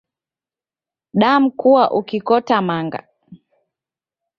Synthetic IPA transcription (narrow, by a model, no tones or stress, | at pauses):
ɗam̩kuwaʔukikɔtamaŋɡa̰